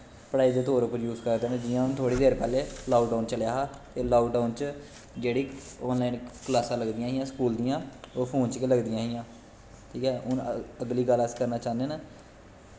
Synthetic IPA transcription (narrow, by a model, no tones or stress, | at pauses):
pəɽaːid̪eːt̪oːɾʊpːəɾjuːzkəɾd̪eːnaːd͡ʒɪjãːʊnt̪ʰoːɽiːd̪eːɾpɛːleːlaːʋɖaːnt͡ʃəljaːɦaːt̪eːlaːɖaːnt͡ʃ | d͡ʒeːɽiːɔːnlaːinklaːsãːləɡd̪ɪjãːɦɪjãːsəkuːld̪ijãːoːpʰoːnt͡ʃkeːləɡd̪ɪjãːɦɪjãː | ʈʰiːkɛːʔʊnəɡliːɡələskəɾnaːt͡ʃãːnd̪eːnaː